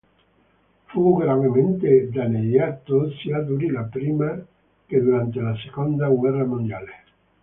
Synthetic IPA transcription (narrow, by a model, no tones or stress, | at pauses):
fuɡɾanement̪ed̪anejat̪osiad̪uɾilapɾiːma | ked̪uɾant̪elasekond̪aɡwɛramond̪jale